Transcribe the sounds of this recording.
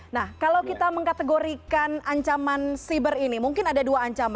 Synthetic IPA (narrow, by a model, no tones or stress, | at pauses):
nahkalawkit̪aməŋkat̪əɡoɾikanaɲt͡ʃamansibərinimuŋkɪnadaduaːɲt͡ʃama